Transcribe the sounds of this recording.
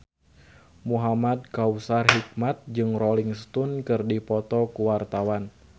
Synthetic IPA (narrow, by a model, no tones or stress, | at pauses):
muɦamad̚kausarɦik̚mat̪̚d͡ʒɨŋroliŋst̪unkɨrdipɔt̪ɔkuwart̪awan